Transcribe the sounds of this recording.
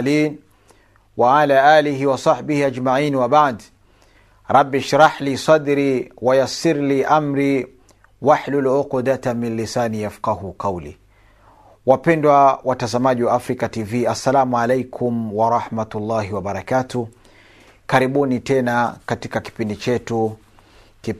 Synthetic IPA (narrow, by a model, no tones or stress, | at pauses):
liːn | waʕalaʔaːliɦiwasˤɑħbihiad͡ʒmaʕiːnwaɓaʕd | ɾˤɑbːiʃɾɑħlisɑd̪ɾiwajasiɾliːʔamɾi | waħlulʊqd̪ataminlisaːnijafqahuqɑwlḭ | wapɛndwawatazamaʄiwaʔafɾikativiːasːalaːmuʕalejkʰumwaɾˤɑħmatulːaːɦiwaɓaɾˤɑkatu | kaɾiɓunitɛnakatikaki̥pindit͡ʃɛtu | ki